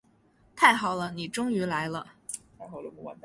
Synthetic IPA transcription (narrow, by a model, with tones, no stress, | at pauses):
t̪ʰa˥˩ɪxɑ˨˩ʊlə˦ni˨˩ʈ͡ʂʊ˥ŋy˧˥la˧˥ɪlə˧t̪ʰa˥˩xɑ˨˩ʊlə˧˥˩a̰˧˩n